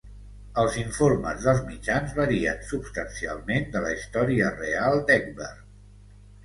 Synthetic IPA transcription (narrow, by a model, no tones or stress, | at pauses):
əlˠziɱformə̰zðəlˠzmid͡ʒanzβəɾiə̰nsupst̪ənsia̰lˠmend̪ələist̪ɔɾiərealˠd̪ɛk̚bə̰r